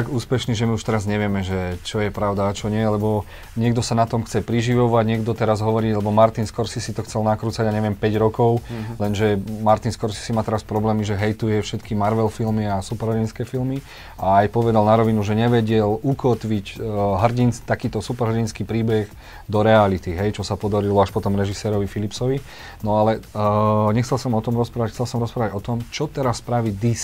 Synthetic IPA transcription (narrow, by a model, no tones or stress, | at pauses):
aɡuːspɛʃniʒɛmiuʃt̪ɛɾazɲɛʋɪɛmɛʒɛt͡ʃɔjɛpɾaʊd̪aːt͡ʃɔɲɪɛjɛlɛbɔ | ɲɛɡd̪ɔsanat̪ɔmxt͡sɛpɾiʒiʋɔʋaɟɲɪɛɡd̪ɔt̪ɛɾazɦɔʋɔɾiɟalɛbɔmaɾt̪inskɔɾsisit̪ɔxt͡sɛlnakɾuːt͡saɟaɲɛʋɪɛmpɛɟɾɔkɔʊlɛnʒɛmaɾt̪inskɔɾsi̥simaːt̪ɛɾaspɾɔblɛːmiʒɛɦɛjt̪ujɛfʃɛt̪kʰimaɾʋɛlfilmiasupɛɾɦɾɟinskɛfilmi | aːjpɔʋɛd̪alnaɾɔʋinuʒɛɲɛʋɛɟɛlukɔt̪ʋicɦr̩ɟint̪akiːt̪ɔsupɛɾɦrɟinskiːpɾiːbɛɣ | d̪ɔɾɛalit̪iɦɛjt͡ʃɔsapɔd̪aɾilɔaʃpɔt̪ɔmɾɛʒisɛːɾɔʋifilipsɔʋi | nɔalɛ | ɲɛxt͡sɛlsɔmɔt̪ɔmɾɔspɾaːʋacxt͡sɛlsɔmɾɔspɾaːʋaɟɔt̪ɔmt͡ʃɔt̪ɛɾasːpɾaʋid̪is